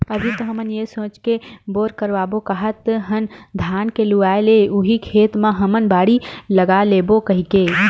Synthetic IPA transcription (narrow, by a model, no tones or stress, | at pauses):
əbʱit̪ɔɦəmənjesõːt͡ʃkeboɾkəɾʋabokəɦət̪ɦənd̪ʱjankeluaeleuɦikʰeːt̪mãɦəmənbaːɽiləɡalebokəɦike